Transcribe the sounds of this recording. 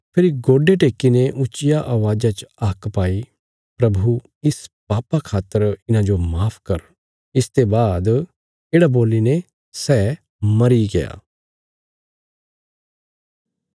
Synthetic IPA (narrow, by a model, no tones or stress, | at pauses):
pʰɪɾiɡoːɖeʈeːkːinẽʔʊt͡ʃɪjaʔaːʋaːd͡ʒat͡ʃɐːkpaːi | pɾɐbʱu | ɪspaːpakʰaːt̪ːəɾɪnãd͡ʒomaːpʰkɐɾ | ɪst̪ebaːd̪ | eːɽaboːline | sɛː | mɐɾiɡeja̰ː